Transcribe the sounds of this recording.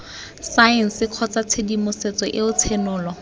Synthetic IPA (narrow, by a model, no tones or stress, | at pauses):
saɛn̩sɪq͡χʰɔt͡sat͡sʰedimʊset͡sɔʔɪʊt͡sʰenʊːlɔ